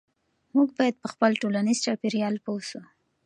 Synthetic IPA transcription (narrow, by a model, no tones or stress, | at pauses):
muɡ̚bɑjad̪̚pəxpəlʈolaniz̥t͡ʃɑpiɾijɑlpowsu